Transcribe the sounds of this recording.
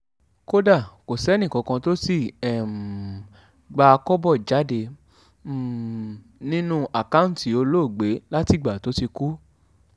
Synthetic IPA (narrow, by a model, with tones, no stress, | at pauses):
ko˦da˦˨ko˨sɛ˨˦nĩ˦˨kɔ̃˨˧kã˧to˦si˦˨ɛ˨ | ɡ͡ba˧kɔ˦bɔ˦˨d͡ʒa˨˦de˧˨ | nĩ˦nũ˦ʔa˨ka˦ũ˦n˦ti˨o˧lo˦˨ɡ͡be˨˦la˦ti˦˨ɡ͡ba˨to˨˦ti˧ku˦